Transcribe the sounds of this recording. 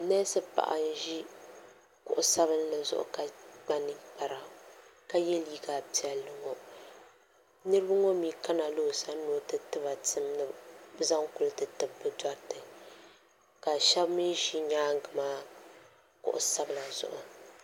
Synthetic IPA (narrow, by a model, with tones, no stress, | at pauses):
nɛ˦sɨ˦pa̰˨ʔa˨n˦ʒi˦ | kʊ̰˨ʔʊ˨sa˦bɨ˦n˦nɨ˨zʊ̰˦ʔʊ̰˨ka˨ɡ͡ba˦nɨ˦k͡pa˨ɾa˨ka˦jɛ˦lji˦ɡa˨pi˨ɛ˨lːɨ˦ŋo˦ | nɨ˦ɾɨ˦bɨ˦ŋo˦mi˨˦ka˦na˨lo˦˨sa˦nu˦o˦tɨ˨tɨ˦ba˨tɨ˦mnɨ˦za˦ŋkʊ˦lɨ˦tɨ˨tɨ˨bbɨ˨da˦ɾtɨ˨ | ka˨ʃɛ˦bmi˦ʒi˦ɲaː˦ŋ˦ɡɨ˨maː˦ | kʊ̰˨ʔʊ̰˨sa˦bɨ˨la˨zʊ̰˨ʔʊ˨